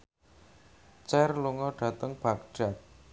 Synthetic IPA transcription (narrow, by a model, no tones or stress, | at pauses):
t͡ʃɛrluŋɔɖ̥a̤t̪əŋb̥ak̚ɖ̥a̤k̚